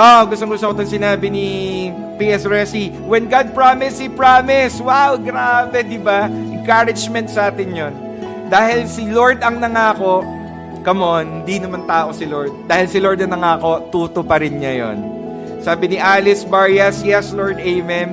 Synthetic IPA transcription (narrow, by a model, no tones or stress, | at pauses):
ʔoɡʊst̪oŋɡʊst̪okot̪oŋsɪnaːbɪnɪ | piːɛsɹɛsi | wɛnɡad̪̚pɹamɪshipɹaːmɪswawɡɾaːbɛd̪ɪbaʔɛŋkaɾɪd͡ʒmɛnt̪̚sɐʔaːt̪ɪnjon | d̪aːɦɪlsɪloɹd̪ɐŋnɐŋaːko̞ | ɡ̥ɐmonhɪnd̪inɐmant̪aːʔo̞sɪloɹd̪̚d̪aːhɪlsɪloɹd̪ɐŋnɐŋaːko̞t̪uːt̪opɐɾɪnɲɐjo̰n | saːbɪnɪʔaːlɪsbaɹjɐsjɛsloɹd̪ɛjmɛm